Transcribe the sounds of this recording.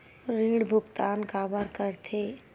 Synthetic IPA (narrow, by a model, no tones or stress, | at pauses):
ɾiːɽbʱʊɡt̪aːnkaːbəɾkəɾt̪ʰe